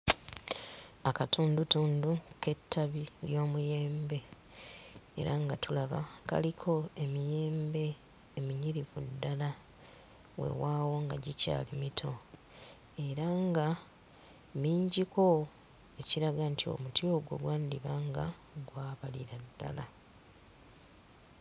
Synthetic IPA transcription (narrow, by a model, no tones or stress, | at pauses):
akatʰuːndutuːnduke̞tːaβiljo̞ːmuje̞ːmbe̞ | ḛɾaŋɡatulaβa̰ka̰likʰo̞e̞mijeːmbe̞ː | miɲiɾivudːala | we̞̰waːwo̞ŋɡaɟica̰ːlimitʰo̞ | e̞ɾaŋɡa | miːɲɟiko̞ | e̞ciɾaɡantʰio̞̰mutio̞ɡwo̞̰ɡwaːndiβaŋɡa̰ | ɡwaːβalḭɾadːa̰la